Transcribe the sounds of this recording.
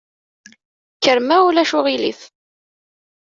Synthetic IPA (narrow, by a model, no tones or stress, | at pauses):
kːəɾmæulæʃʊʁilḭθ